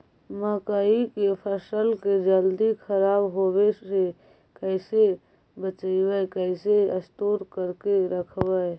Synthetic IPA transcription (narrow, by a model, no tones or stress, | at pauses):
məkaːikepʰəsəlked͡ʒəld̪ikʰəɾaːbɦowese | kɛɪse | bət͡ʃiwekɛɪseəst̪oːɾkəɾkeɾəkʰwə